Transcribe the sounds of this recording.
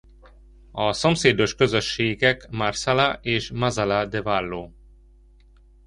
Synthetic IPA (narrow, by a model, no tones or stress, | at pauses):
ɒso̞mseːd̪o̞ʃkø̞zøʃːeːɡɛkmarsalaʔeːʃmazalad̪ɛvalːoː